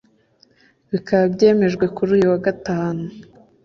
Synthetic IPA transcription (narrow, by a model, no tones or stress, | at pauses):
βikaβbje̞ːme̞ʒɡwe̞kuɾuːjuwaɡataːnu